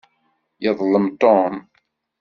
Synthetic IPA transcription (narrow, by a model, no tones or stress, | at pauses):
jəðˤləmt̪om